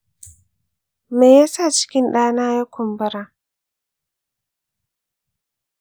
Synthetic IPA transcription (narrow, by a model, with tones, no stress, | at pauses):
ma˨jja˦sa˦˨t͡ʃɪ̥˦kʲɪ˦nɗaː˦naː˦ja˦kʷʊ˨mbɐ˦ɾaː˦